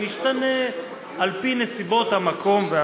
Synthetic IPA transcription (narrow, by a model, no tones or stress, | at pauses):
niʃt̪ane | alpine̞sibo̞thamako̞mvea